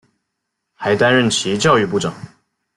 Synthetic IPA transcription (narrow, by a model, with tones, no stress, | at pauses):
xa˧˥ɪt̪a˥˦nɻə˥˩nt͡ɕʰi˧˥t͡ɕjɑ˥˧ʊy˥˧pu˥˩ʈ͡ʂɑ˨˩˦ŋ